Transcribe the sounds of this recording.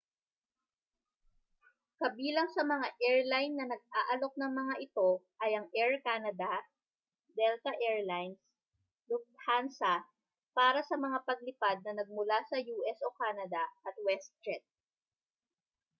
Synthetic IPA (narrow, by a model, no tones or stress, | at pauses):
kɐbiːlɐŋsɐmɐŋaʔɛɹlajnːɐnɐɡ̚ʔaːʔɐlo̞k̚nɐŋmɐŋaʔɪt̪o̞ʔɐjɐŋʔɛɹkaːnɐd̪ɐ | d̪ɛlt̪ɐʔɛɹlajns | lʊk̚thansɐ | paːɾɐsɐmɐŋapɐɡ̚lɪpad̪̚nɐnɐɡ̚mʊlasɐjuːʔɛsokaːnɐd̪ɐʔɐt̪̚wɛst̪ɾɛt̪̚